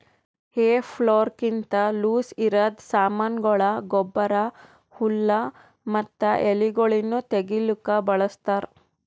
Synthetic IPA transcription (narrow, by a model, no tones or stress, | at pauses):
heːpʰɭoːɾkint̪ɐluːsiɾɐd̪saːmɐnɡɔɭɐɡɔbːɐɾɐ | hulːɐ | mɐt̪ːɐʔeliɡoɭinːut̪eɡilukɐbɐɭɐst̪aːɾ